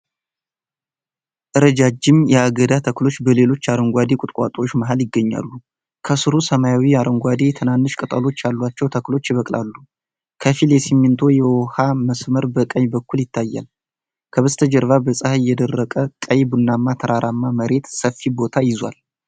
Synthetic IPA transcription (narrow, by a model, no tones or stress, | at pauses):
ʔɨɾəd͡ʒad͡ʒɪmjɛaɡəd̪at̪ʰəklo̞t͡ʃːbəle̞lo̞t͡ʃːaɾəŋɡʷad̪ekʼʊt̪ʼkʼa̰t̪ʼot͡ʃːməɦaljɪɡːəɲːa̰lːu | kʰəsɨɾusəmajawiaɾəŋɡʷad̪et̪ʰɨnanːɨʃkʼɨt̪ʼəlo̞t͡ʃːjalːwat͡ʃːɛwt̪ʰəklo̞t͡ʃːjɪβəkʼlalːu | kʰəfiljɛsimːint̪ʰo̞jɛwɔhaməsməɾbəkʼəjbəkːuljɪt̪ʰːajːa̰l | kʰəβəst̪ʰəd͡ʒəɾvabəsʼahaɪjːɛd̪ərːəkʼəkʼəjbunːamːat̪ʰəɾaɾʔamːaməɾe̞t̪səfːibo̞t̪ʰajɪzwa̰l